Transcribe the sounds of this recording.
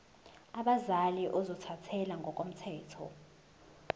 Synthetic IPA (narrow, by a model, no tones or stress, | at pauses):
aɓazaliʔɔzɔtʰatʰɛlaŋɡʱɔk̬ʼom̩tʰɛːtʰɔ̰